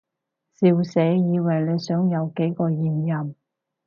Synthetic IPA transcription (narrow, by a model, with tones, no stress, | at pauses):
siː˨˧wse˨˥jiː˨˧wɐ˨˩jle˨˧jsœː˨˥ŋjɐ˨˧wke˨˥jkɔː˧jiː˨˩njɐ˨m